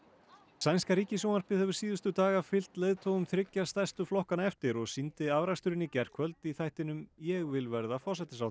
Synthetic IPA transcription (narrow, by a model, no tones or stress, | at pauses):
sajnskaɾiːcɪsowmaɾ̥pɪðhɛvʏɾ̥siːðʏst̪ʏt̪aːɣafɪl̥t̪leːjðt̪ʰoːwɣʏmθɾɪcːast̪ajst̪ʏflɔhkanaɛft̪ɪɾɔɣsint̪ɪavɾast̪ʏɾɪnicɛr̥kʰvœlt̪iθajht̪ɪnʏmjɛɣvɪlvɛɾðafɔrs̬ɛht̪ɪsaw